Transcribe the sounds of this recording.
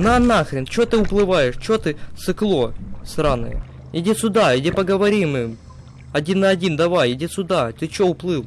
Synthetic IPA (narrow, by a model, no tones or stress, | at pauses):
nɐɐnaxɾʲɪnt͡ɕot̪ɨʊplˠɨvajɪʂt͡ɕot̪ɨt̪sɨklˠo̞sɾanɨ̰j̰ | ɪdʲesʲʊd̪adʲepɐɡəvɐɾʲimɨ | ɐdʲinːɐɐdʲind̪ɐvajɪdʲesʲʊd̪at̪ɨt͡ɕoʊplˠɨlˠ